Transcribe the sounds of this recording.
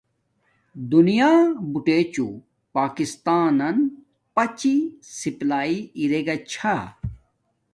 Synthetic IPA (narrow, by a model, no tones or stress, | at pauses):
d̪unijaːbuʈeːt͡ɕṵ | paːkist̪aːnɐn | pɐt͡ɕisiplaːiiɾeɡɐt͡ɕʰa